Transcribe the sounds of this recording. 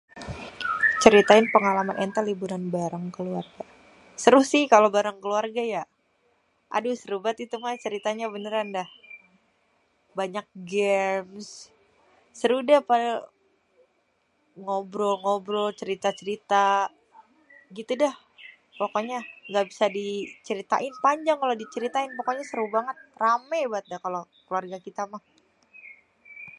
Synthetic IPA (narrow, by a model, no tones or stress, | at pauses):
t͡ʃəɾit̪aɪnpəŋalamanʔɛnt̪alibunanbaɾaŋkəluarɡa | səɾuhsɪhkalobaɾaŋkəluarɡaja | ʔa̰dusəɾubat̪it̪umat͡ʃəɾit̪aɲabənəɾandah | baɲak̚ɡɛmsː | əɾudahpadl | ŋobɾoŋobɾot͡ʃəɾit̪at͡ʃəɾit̪a | ɡit̪udah | pokoɲaŋɡabisadit͡ʃəɾit̪a̰ʔɪnpaɲd͡ʒaŋkalodit͡ʃəɾit̪aɪnpokoɲasəɾubaŋət̪̚ramajbat̪̚dahkalokluarɡakit̪amah